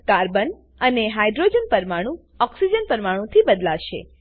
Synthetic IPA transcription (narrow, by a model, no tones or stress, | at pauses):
kaɾbən | əneɦajɖɾod͡ʒənpəɾmaɽ̃ũ | ɔksid͡ʒənpəɾmaɽ̃ũt̪ʰibəd̪laʃḛ